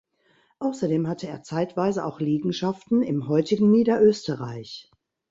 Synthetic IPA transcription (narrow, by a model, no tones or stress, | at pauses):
ʔaʊsɐdeːmhatʰəeːɐt͡saɪtv̥aɪzəʔa̰ʊxliːɡŋ̩ʃaftn̩ɪmhɔʏtɪɡŋ̩niːdɐʔøːstəʁa̰ɪç